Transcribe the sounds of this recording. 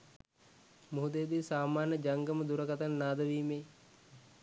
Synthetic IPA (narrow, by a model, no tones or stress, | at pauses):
muɦud̪ejːd̪iːsaːmaːnːəd͡ʒaŋɡəməd̪uɾəkat̪anːaːd̪əʋiːmej